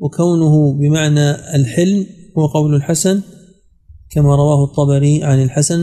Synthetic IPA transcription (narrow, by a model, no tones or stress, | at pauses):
wɪkawnʊɦʊbɪmaʕnaɪlħɪlːhʊwaqɑwlʊlħasan | kamaɾˤɑwaːhʊt̪ˤːɑbɑɾiʕanɪlħasan